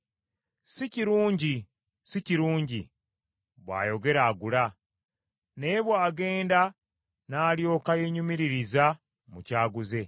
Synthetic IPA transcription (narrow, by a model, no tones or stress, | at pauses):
siciɾuːɲɟi | siciɾuːɲɟi | βwa̰ːjo̞ɡe̞ɾaːɡula | ne̞ːβwaːɡe̞ːnda | naːljo̞ːkajeɲumiɾiɾiza | mucaːɡuze̞